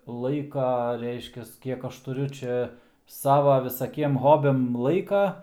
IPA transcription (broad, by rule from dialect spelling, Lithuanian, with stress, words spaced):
ˈlˠɐɪkɐ ˈrʲɛɪʃʲkʲɛs ˈkʲiɛk ˈɐʃ tʊˈrʲʊ ˈt͡ʃʲɛ ˈsɑːʋɐ ʋʲɪsɐˈkʲiɛm ˈɣoːbʲɛm ˈlˠɐɪkɐ